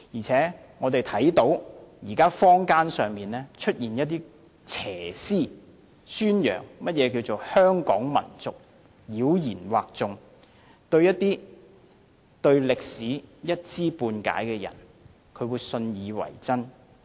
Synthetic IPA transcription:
jiː˨˩t͡sʰɛː˨˥ | ŋɔː˨˧t̪e˨jt̪ʰɐ˨˥jt̪o˨˥wjiː˨˩kaː˥fɔː˥ŋkaː˥nsœː˨ŋmiː˨nɛː˥t͡ʃʰɵ˥t̚jiː˨˩njɐ˥t̚t̪iː˥ | t͡sʰɛː˨˩siː˥˩ | syː˥njœ̰ː˨˩ŋmɐ˥t̚jɛː˨˧k̬iː˧wt͡so˨whœː˥ŋkɔ̰ː˨˥ŋmɐ̰˨˩nt͡sʊ˨k̚ | liː˨˧˥wjiː˨˩nwaː˨k̚t͡sʊ˨ŋ | t̪ɵ˧ɥjɐ˥t̚t̪iː˥ | t̪ɵ˧ɥlɪ˨k̚siː˨˥jɐ˥t̚t͡siː˥puː˧nka̰ː˨˥jkɛː˧jɐ̰˨˩n | kʰɵ˨˧ɥwuː˨˧jsɵ˧njiː˨˧wɐ̰˨˩jt͡sɐ˥n

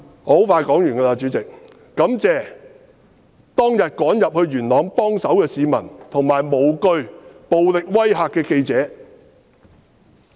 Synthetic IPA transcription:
ɔ˨˥ho˨˥wfaː˧jkɔː˨˥ŋjyː˨˩nkaː˧laː˧t͡ʃyː˨˥t͡sɪ˨k̚ː | ɐ˨˥mt͡sɛː˨˧ | t̪ɔː˥ŋjɐ˨t̚kɔː˨˥ŋjɐ˨p̚hɵ˧ɥɥyː˨˩nlɔː˨˥ŋpɔː˥ŋsɐ˨˥wkɛː˧siː˨˧mɐ˨˩nt̪ʰʊ˨˩ŋmaː˨˩jmo˨˩wkɵ˧ɥpo˨wlɪ˨k̚wɐ˥jɦaː˨kːɛː˧ke˧jt͡sɛː˨˥

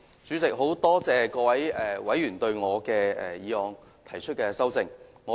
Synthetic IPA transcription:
t͡syː˨˥t͡sɪ˨k̚ɦo˨˥wt̪ɔː˥t͡sɛː˨˧kɔː˧wɐ˨˥jɛː˨wɐ˨˥jjyː˨˩nt̪ɵ˧ɥŋɔː˨˧kɛː˧ɛ̰ː˨jiː˨˧hɔː˨˧ŋ | t̪ʰɐ˨˩jt͡ʃʰɵ˥t̚kɛː˧sɐ˥wt͡sɪ˧ŋŋɔː˨˧

